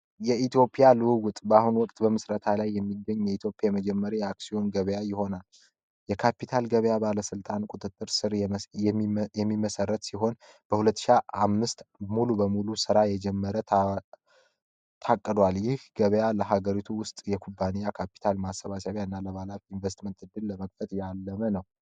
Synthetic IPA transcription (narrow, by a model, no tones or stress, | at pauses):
jɛit̪ʰjo̞pʼijalɨwuwʊt̪ʼbahunwɔkʼt̪ʼbəmɨsɾət̪ʰalajːɛmːiɡːəɲːjɛit̪ʰjo̞pʼjajɛməd͡ʒɛmːəɾijɛaksio̞nɡəβəjajɪho̞nal | jɛkʰapʰit̪ʰalɡəβəjabaləsɨlt̪ʼankʷʼut̪ʼɨt̪ʼːɨɾsɨɾjɛjɛmːiməsərːət̪siɦo̞n | b̥əhulət̪ːɨ̥ʃiaamːɨst̪mulubəmulusɨɾajɛd͡ʒɛmːəɾə | t̪ʰakʼːɨd̪waljɪhɡəβəjaləɦaɡəɾit̪ʰuwʊst̪ʼjɛkʰubːanijakʰapi̥t̪ʰalmasːəβasaβjaɨnːaləβalafinvest̪mənt̪ɨd̪ːɨlːəməɡfət̪ʼjalːəmənəw